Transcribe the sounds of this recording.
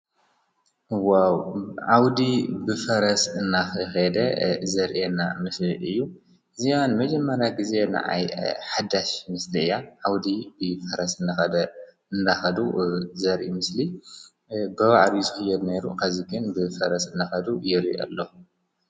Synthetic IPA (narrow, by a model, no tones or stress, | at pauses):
wawʕawd̪ibɨfɐɾɐsɨnːaxɨxɐd̪ɐzɐɾʔena̰mɨsliʔɨjːu | ɨzijanmɐd͡ʒɐmːɐɾjaɡize̞nɨ̰ʕa̰jħad̪aʃmɨsliɨjaʕawd̪ibɨfɐɾɐsɨnːaxɐd̪ɐ | ɨnd̪axɐd̪uzɐɾʔimɨsli | bɨβaʕd̪izɨxɨjɛd̪ne̞ɾṵkʰaziɡɨnbɨfɐɾɐsɨnːaxɐd̪ujɛɾḭʔɐ̰lːo